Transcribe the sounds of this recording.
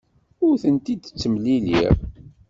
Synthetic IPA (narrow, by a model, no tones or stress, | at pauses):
ʊɾθənt̪id̪t͡sːəmlilḭɾ